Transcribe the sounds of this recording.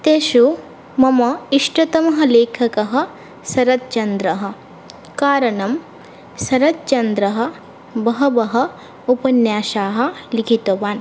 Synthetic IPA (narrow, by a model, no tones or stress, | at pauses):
t̪eːʃu | mɐmɐiʂʈɐt̪ɐmɐɦɐ̆leːkʰɐkɐɦɐ̆ | sɐɾɐt̪̚t͡ʃɐnd̪ɾɐɦɐ̆ | kaːɾɐnɐm | sɐɾɐt̪̚t͡ʃɐnd̪ɾɐɦɐ̆ | bɐɦɐbɐɦɐ̆ | upɐnjaːʃaːɦɐ̆likʰit̪oʋaːn